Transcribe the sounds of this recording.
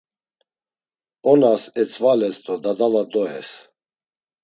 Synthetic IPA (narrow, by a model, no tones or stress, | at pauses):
ɔnasɛt͡sʰʼvalɛst̪ʰʼɔd̪ad̪alad̪ɔɛ̰s